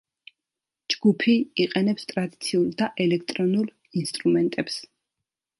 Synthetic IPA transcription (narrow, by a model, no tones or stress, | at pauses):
d͡ʒɡupʰiiqʼɛnɛpst̪ʼɾad̪it̪sʰiulˠd̪aʔɛlɛk̚ʰt̪ʼɾɔnulˠ | inst̪ʼɾumɛnt̪ʼɛps